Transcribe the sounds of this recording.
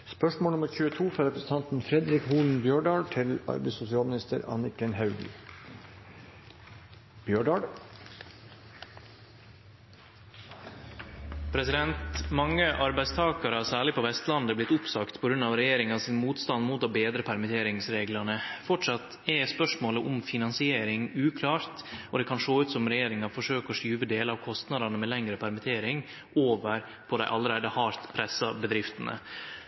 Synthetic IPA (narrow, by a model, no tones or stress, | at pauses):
spœʂmoːnʊməɾçʉːət̪ʰuːfɾɑɾɛpɾəsən̩t̪ʰɑnt̪n̩fɾɛd̪ɾɪkhuːln̩bjøːɖɑːɖʈ̪ʰɪlɑ̰ɾbæɪsʊsɪɑːlmnɪst̪ə̰ɾɑ̰nɪkənhɑʉɡl̩ | b̥jøːɖɑɖ | pʰɾɛsɪd̪ɛnt̪mɑŋːəʔɑɾbæɪst̪ʰɑːkɑɾɑsæːɭɪpɔʋɛst̪lɑnd̪əblɪt̪ʊpsɑkt̪pʰɔɡɾʉnːɑʋɾɛjeːɾɪŋɑsɪnmuːt̪st̪ɑnmuːt̪obeːd̪ɾəpʰæɾmɪt̪ʰeːɾɪŋsɾeːɡlɑnəfɔʈʂɑt̪ | ɛspœʂmoːləʔʊmfɪnɑnsɪeːɾɪŋʉːkʰlɑːɾt̪ɔd̪ɛkʰɑnʂoːʉːt̪sɔmɾɛjeːɾɪŋɑfɔʂøːkəɔʂyːʋəd̪eːləɑːʋkʰɔst̪nɑd̪ɑnəmɛlɛŋɾəpʰæɾmɪt̪ʰeːɾɪŋ | ʔoːʋəɾ | pʰɔd̪æɪʔɑlːəɾæɪd̪əhɑːɾt̪pʰɾɛsɑbəd̪ɾɪft̪ənə̰